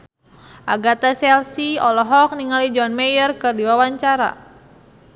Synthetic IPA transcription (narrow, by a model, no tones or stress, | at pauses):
ʔaɡat̪asɛlsiɔlɔɦɔk̚niŋalid͡ʒɔnmɛjərkɨrdiwawaɲt͡ʃaɾa̰